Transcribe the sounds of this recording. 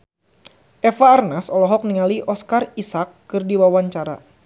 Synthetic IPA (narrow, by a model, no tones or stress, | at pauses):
ʔefaːrnasɔlɔɦɔk̚niŋaliʔɔskarisakːɨrdiwawaɲt͡ʃaɾa̰